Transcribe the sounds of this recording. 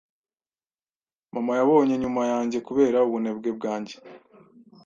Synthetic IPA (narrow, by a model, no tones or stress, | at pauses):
mamajaβo̞ːɲe̞ɲumajaːɲɟe̞kuβe̞ːɾauβune̞bɡe̞bɡaːɲɟe